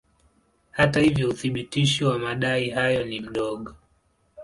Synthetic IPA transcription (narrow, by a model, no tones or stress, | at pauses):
hatahivjɔuθiɓitiʃiwamaɗaiɦajɔnim̩ɗɔɠɔ